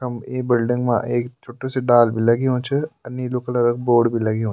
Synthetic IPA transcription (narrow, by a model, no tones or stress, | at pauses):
ɐmeːbɪlɖɪ̃ŋɡmã̰ʔeːkt͡ʃʰoːʈːoseɖaːlbilɐɡeɦõːt͡ʃʰeɐnːiloːkəlɐɾək̚boːɽbʱilɐɡeɦõː